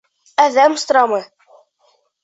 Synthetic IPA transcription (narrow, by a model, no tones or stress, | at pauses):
æðæmst̪ɾɑmɤj